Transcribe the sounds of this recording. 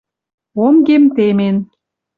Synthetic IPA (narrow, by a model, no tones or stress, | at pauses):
omɡemt̪emen